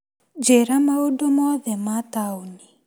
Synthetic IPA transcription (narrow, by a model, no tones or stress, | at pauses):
d͡ʒɛɾamaodomɔðɛmatauni